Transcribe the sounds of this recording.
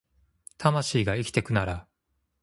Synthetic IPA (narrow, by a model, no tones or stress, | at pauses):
t̪ʰamaɕiːɡaikʲi̥t̪e̞kɯ̟naɾa